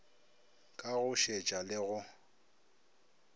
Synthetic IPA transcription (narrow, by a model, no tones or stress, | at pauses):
kʼaɣʊʃet͡ʃʼalɪɣʊ